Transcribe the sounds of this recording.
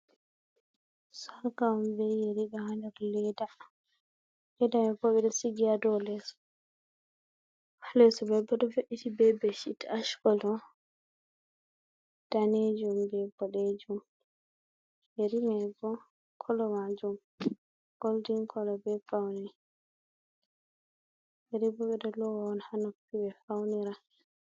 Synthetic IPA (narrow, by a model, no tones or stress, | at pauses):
sɔɾkambɛjeɾiɗɔhandaɾlɛda | lɛdamɛbɔɓɛɗɔsiɡiadɔlɛsɔ̥ | hlɛsɔbɛbɔɗɔboʔitibɛbɛʃitaʃkɔlɔ | d̥aned͡ʒumbɛbɔɗed͡ʒum | jeɾimɛbɔ | kʰɔlɔmad͡ʒum | ɡ̥oldiŋkʰɔlɔbɛfawni | jeɾibɔɓɛdɔlɔwaɔnhanapːibɛfawniɾa